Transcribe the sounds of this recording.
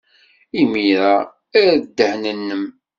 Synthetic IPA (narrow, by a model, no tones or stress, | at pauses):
imiɾa | æɾd̪ːəhnənːəm